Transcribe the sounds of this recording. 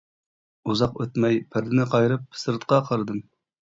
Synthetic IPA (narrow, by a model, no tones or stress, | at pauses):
uzɑqøt̪mɛjpʰɪɾd̪ɪnɪqʰɑjɾɨp̚ːsɨɾt̪qɑqʰɑɾɨd̪ɨm